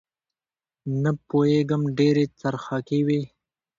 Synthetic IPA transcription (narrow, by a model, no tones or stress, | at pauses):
napoeɡəmɖeɾet͡saɾxakewe